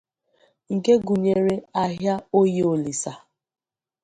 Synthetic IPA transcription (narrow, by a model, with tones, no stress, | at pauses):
ŋ̩˨ke˦ɡu˨ɲe˨ɾe˦a˦ɦja˦o˦je˦o˨li˨sa˨